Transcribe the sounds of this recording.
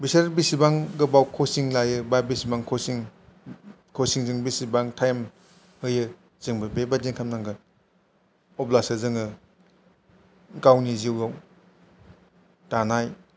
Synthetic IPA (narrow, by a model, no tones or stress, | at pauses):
bisaɾɾbisibaŋɡɯbawkʰosiŋlajɯbabisibaŋkʰɔsiŋ | kʰɔsiŋzɯŋbisibaŋtʰajm | hɯjɯ | z̥ɯŋbɯbebaziŋkʰamnaŋɡɯ | ɔplasɯzɯŋɯ | ɡawniziwjaw | tanaj